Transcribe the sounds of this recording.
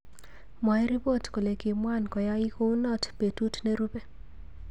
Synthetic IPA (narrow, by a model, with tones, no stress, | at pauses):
mɔ˨ɛ˦ɾi˦bo˦˨tko˨le˨kɪ˨mwa˦˨nkɔ˨ja˦ɪ˦ko˦u˦nɔ˦˨tpe˨tu˦tne˦ɾu˦be˦